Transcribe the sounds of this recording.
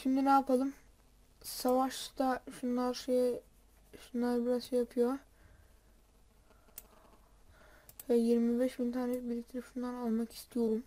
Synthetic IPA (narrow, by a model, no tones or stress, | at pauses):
ʃimd̪inaapʰalˠɯm | savaʃt̪aʃunlˠaɾʃej | ʃunlˠaɾbiɾazʃejapʰɯjo | vɛjiɾmibɛʃbint̪ʰaːnɛbilʲict̪ʰɾɯfɯnd̪anolˠmaki̥st̪ʰijo̞ɾum